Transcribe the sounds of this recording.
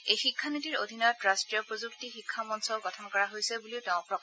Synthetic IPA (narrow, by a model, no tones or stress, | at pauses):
ejxikʰːanitiɹo̰d̪ʱinɔjɔtɹastɹijɔpɹozuktixikʰːamɔnsɔlkɔtʰɔnkɔɹaɦojsɛbuliʊteʊ̃pɹɔk